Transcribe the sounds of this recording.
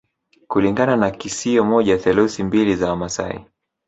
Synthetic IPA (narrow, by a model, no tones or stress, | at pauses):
kuliŋɡananakisiɔmɔʄaθɛluθimbilizaamasa̰ḭ